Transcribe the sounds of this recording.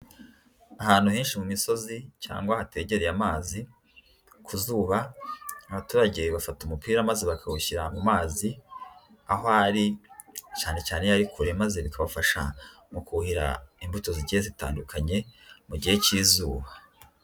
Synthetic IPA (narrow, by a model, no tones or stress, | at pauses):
ahaːnhuheːnʃimumiso̞zica̰ːŋɡwahate̞ːɟe̞ɾejamaːzi | kʰuzuːβaːβatuːɾaɟeβafatumupiːɾamazeβakʰaβuçiɾamumaːzi | aɦoaɾicaːne̞caːnejaɾikʰuɾe̞maze̞βikaβafaʃa̰ | mukuhiɾa̰imbuto̞ziɟiezita̰ːndukʰaɲe̞muɟihe̞ciːzuːβa